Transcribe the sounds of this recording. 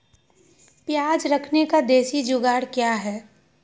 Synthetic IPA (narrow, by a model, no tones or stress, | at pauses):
pjaːd͡ʒɾɐkʰnekad̪eːsid͡ʒʊɡaːɽkjaɦɛː